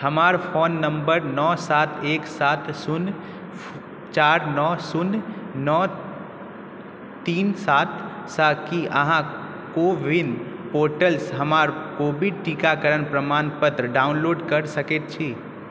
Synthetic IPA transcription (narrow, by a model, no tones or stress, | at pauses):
həmaɾpʰonːəmbəɾnɔsat̪ʰeksat̪ʰsun | t͡ʃaɾnɔsunnɔ | t̪iːnsat̪ʰsakiʔəɦã | kobʱinpoɾʈəlsɦəmaɾkobʱiʈikakəɾənpɾəmanpət̪ɾəɖaunloːɖkəɾsəket̪̚t͡ʃʰi